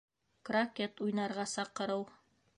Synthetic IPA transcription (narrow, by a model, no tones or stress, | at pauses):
krakʲet̪ujnɑɾʁɑsɑqɤ̆ɾɤw